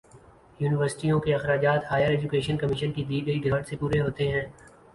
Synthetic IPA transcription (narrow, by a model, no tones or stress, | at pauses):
juːnɪʋəɾsɪ̥ʈijõkeɐxɾaːd͡ʒaːt̪haːjəɾɛːd͡ʒʊkeːʃənkɐmɪʃənkid̪iːɡɐiɡʱaːʈsepuːɾeɦoːt̪eɦɛ̃ː